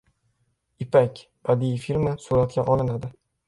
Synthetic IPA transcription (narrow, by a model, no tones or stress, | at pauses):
ɪpakʲb̥ad̪ifilmasolat̪̚kʲaʔɒlˠɪnad̪ɪ